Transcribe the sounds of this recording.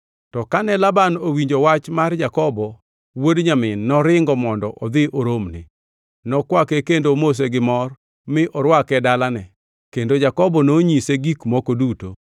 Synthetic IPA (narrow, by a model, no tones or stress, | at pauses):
tɔkanɛlabanowiɲd͡ʒowat͡ʃmard͡ʒakɔbɔ | wodɲamɪnːɔɾɪŋɡɔmɔndɔʔɔd̪ɪʔoɾomnɪ̰ | nɔkwakɛkendomos̬eɡɪmɔr | mɪʔɔɾwakɛdalanɛ | kendod͡ʒakɔbɔnoɲiseɡikmɔkoduto̰